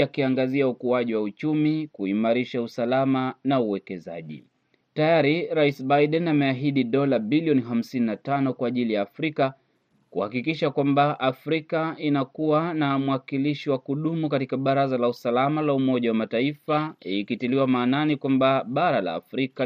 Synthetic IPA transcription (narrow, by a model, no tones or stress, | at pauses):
akiaŋɡaziaukuaʄiwaut͡ʃumikuimaɾiʃausalamanauwɛkɛza̰ʄḭ | tajaɾiɾaisbajɗɛnamɛaɦiɗiɗɔlaɓiliɔniɦam̩sininatanɔkwaːʄilijaːfɾika | kṵhakikiʃakwambaʔafɾikainakuwanamuwakiliʃiwakuɗumukatikaɓaɾazalausalamalaumɔʄawamataifaiikitiliwamaːnanikwambaɓaɾala̰ːfɾika